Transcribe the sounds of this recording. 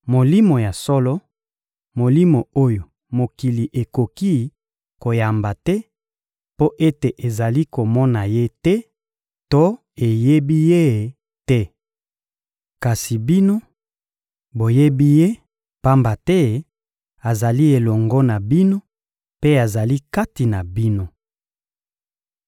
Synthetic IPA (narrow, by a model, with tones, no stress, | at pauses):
mo˨li˦mo˨ja˨sɔ˦lɔ˦ | mo˨li˦mo˨o˦jo˨ | mo˨ki˨li˨ʔe˨ko˨ki˦ | ko˨ja˨mba˨tɛ˦ | po˦ʔe˦te˨ʔe˨za˨li˦ko˨mɔ˦na˨je˦tɛ˦ | to˦ | e˨je˦bi˦je˦˨ | tɛ˦ | ka˨si˨bi˦no˦ | bo˨je˦bi˦je˦ | pa˦mba˨tɛ˦ | a˨za˨li˦e˨lɔ˨ŋɡɔ˦na˨bi˦no˦ | pe˦a˨za˨li˦ka˦ti˨na˨bi˦no˦